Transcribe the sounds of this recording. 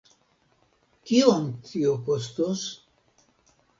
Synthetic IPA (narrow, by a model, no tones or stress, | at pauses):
kiont̪iokost̪os